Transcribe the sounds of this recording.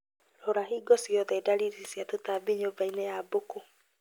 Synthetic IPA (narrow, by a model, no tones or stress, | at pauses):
ɾoɾaɦiːɡɔsiɔðɛdaɾiɾisiatotaːbiɲobainejaboko